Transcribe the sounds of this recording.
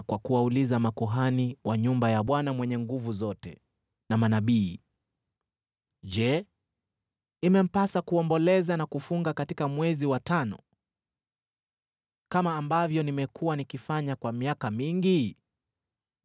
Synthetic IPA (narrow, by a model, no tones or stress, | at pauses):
kwakuwaulizamakuɦaniwaɲumbajaɓwanamwɛɲɛŋɡuvuzɔtɛ̰ | namanaɓiː | ʄɛ | imɛm̩pasakuɔmbɔlɛzanakufuŋɡakatikamwɛziwatanɔ̰ | kamaːmbavjɔnimɛkuwanikifaɲakwamiakamiŋɡi